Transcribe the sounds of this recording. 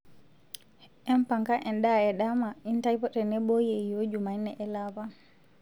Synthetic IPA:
ʔɛmpaŋkaʔɛndaɛɗamaʔintajpɔɗɛnɛbɔjejod͡ʒumajnɛʔɛlaːba

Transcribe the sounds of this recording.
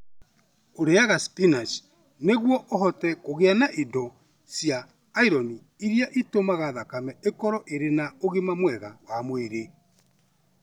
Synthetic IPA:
oɾeaɣaspinas | neɣwɔʔoɦɔtɛkoɣeanaʔidɔ | sjaː | iɾɔni | iɾijaʔitomaɣaðakamɛekɔɾɔʔeɾenaoɣemamwɛɣawamweɾe

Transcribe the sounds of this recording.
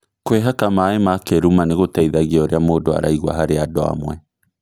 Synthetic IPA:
kweɦakamaːemakeɾumaneɣotɛiðaɣeoɾeamoːdoa̰ɾaiɣwa̰ɦaɾeadɔa̰mwɛ

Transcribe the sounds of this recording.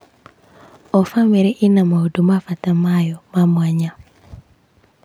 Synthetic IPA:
ɔfameɾɛʔinamaudumafatamajɔmamwaɲa

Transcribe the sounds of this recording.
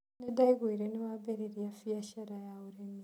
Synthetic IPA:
nedaiɣwiɾenewabeɾeɾjafiaʃaɾajauɾemi

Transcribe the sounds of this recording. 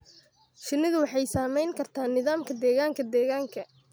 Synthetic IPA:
ʃɪnːɪðʊwɑħɑjsaːmɛjŋkʰɐrt̪ʰaːnːɪðaːmkʰɐd̪ɛːɣaːŋkʰɐd̪ɛːɣaːŋkʰɐ

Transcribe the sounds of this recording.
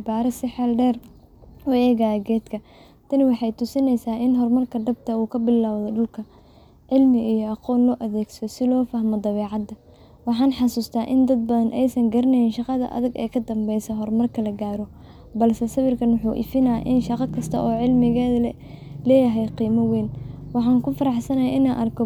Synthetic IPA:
baːɾɐsɪħɛlɖɛːr | ɔɛːɣaɐɡɛːd̪kʰɐ | t̪ʰɐnɪwɑħɑjt̪ʰʊsɪnɛjsaːʔɪnɦɔrmɐrkʰɐɖɐb̚t̪ʰɐuːkʰɐbɪlaːwðɔɖʊlkʰɐ | ʕɪlmɪijɔɑqɔːnlɔːʔɐðɛːɡsɐɔsɪlɔːfaːɦmɔd̪ɐβɛːʕɑd̪ɐ | wɑħɑːnħɑsuːst̪ʰaːʔɪnd̪ɐd̪̚bɐðɐnʔɛjsɐŋɡɐɾɪnɛjɪnʃɑqɑðɐ̰ʔɐ̰ðɐɡɛ̰ːjkʰɐd̪ɐmbɛjsɔɦɔrmɐrkʰɐlɐɡaːɾɔ | bɐlsɛsɐβɪrkʰɐnwʊħuːʔɪ̰fɪnaːʔɪnʃɑqɑkʰɐst̪ʰɐʔɔːʕɪlmɪɣɛːðɐlɛːjɐɦɛjqiːmɐwɛːnwɑħɑːŋkʰʊfɐɾɑħsɐnɐja̰ʔɪnaːʔɐrkʰɔ

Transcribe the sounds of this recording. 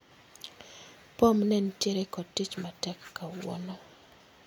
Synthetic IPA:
pomnɛntjeɾɛkɔtːit͡ʃmatɛkːawɔ̰no

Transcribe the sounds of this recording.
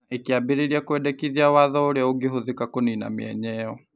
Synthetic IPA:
ekeabeɾeɾiakwɛdɛkiðiawaðɔoɾeaoɡeɦoðekakonina̰meɛ̰ɲɛɔ

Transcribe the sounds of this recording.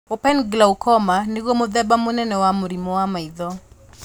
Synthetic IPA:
opɛnɡlaukʰɔmaneɡomoðɛbamonɛnɛwamoɾimɔwamaiðɔ

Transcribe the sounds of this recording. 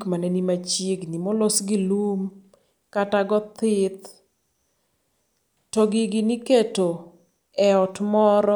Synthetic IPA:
kmanɛnimat͡ʃeɡnimɔlosɡɪlum | kataɡɔt̪ɪt̪ | tɔɡɪɡɪnɪketo | ɛɔtmɔɾɔ

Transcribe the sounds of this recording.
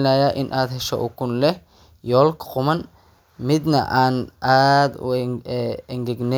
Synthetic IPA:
laːjaːʔɪnʔaːd̪ɦɛʃɔ̰ʔʊkʰʊnlɛh | jɔːlkʰqʊmɐn | mɪd̪nɐ̰ʔaːnʔaːd̪ʊ̰ | ɛŋɡɛɡnɛ

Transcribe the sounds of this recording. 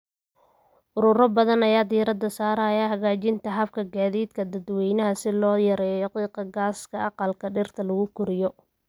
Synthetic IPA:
ʔʊɾʊɾɐbɐðɐnɐjaːd̪iɾɐd̪ɐsaːɾɐjaːɦɐɣaːt͡ʃɪnt̪ʰɐɦɐbkʰɐɡaːðiːd̪kʰɐd̪ɐd̪wɛjnɐɦɐsɪlɔːjɐɾɛːjɔjɐqiːqɐɡaːskʰɐʔɑqɑlkʰɐɖɪrt̪ʰɐlɐɣʊkʰʊɾɪjɔ

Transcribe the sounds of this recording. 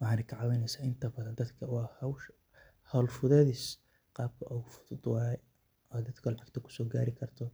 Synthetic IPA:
wɑħɑːnɛjkʰɐʕɑwɛnɛjsaːʔɪnt̪ʰɐbɐðɐnd̪ɐd̪kʰɐwɑhɐw | hɐwlfʊðɛðiːs | qɑːb̚kʰɐʔɔɣʊfʊðʊd̪wɑːɛ | ɔd̪ɐd̪kʰɐlɑʕɑɡ̚t̪ʰɐkʰʊ̥sɔːɡaːɾɪkʰɐrt̪ʰɔ

